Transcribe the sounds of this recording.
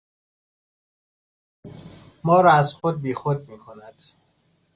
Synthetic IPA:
mɒːɾɒæzxod̪̚biːxod̪̚miːkʰonæd̪̥

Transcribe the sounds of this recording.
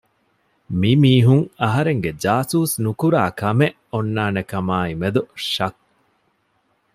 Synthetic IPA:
mimiːɦuŋɐɦɐɾeŋɡed͡ʒaːsuːsnukuɾaːkɐmeʔonːaːnekɐmaːimed̪uʃɐk̚

